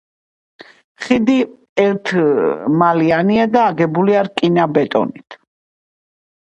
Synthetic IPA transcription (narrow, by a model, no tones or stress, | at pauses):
χid̪i | ɛɾt̪ʰmalianiad̪aːɡɛbuliaɾkʼinabɛt̪ʼɔ̰nit̪ʰ